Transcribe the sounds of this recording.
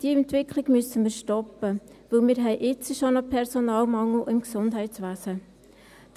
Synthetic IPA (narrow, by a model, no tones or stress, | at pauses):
d̥iəɛntvɪkʰlɪɡmysənmiːɾʃtɔpːə | ʋɵlmiːɾɦɛɪʔɪt͡səʃonəpʰɛɾsɔnɑːlmɑŋːl̩ɪmksʊnd̥ɦɛɪt͡sʋæːsə̥